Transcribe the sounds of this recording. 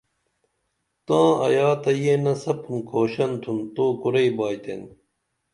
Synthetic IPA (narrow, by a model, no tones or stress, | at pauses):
t̪ãːɐ̰jaːt̪ɐjenɐsɐpʰunkʰoːɕɐnt̪ʰunt̪oːkuɾeibaːjt̪ḛn